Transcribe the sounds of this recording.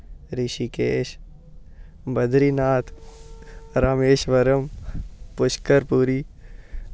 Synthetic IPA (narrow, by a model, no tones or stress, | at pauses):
ɾɪʃikeːʃ | bɐd̪ʱɾinaːt̪ʰ | ɾaːmeːʃʋəɾəmpʊʃkəɾpuːɾiː